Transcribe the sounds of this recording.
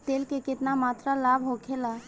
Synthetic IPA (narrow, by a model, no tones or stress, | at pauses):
t̪elkeket̪namat̪ɾalabʱɦokʰela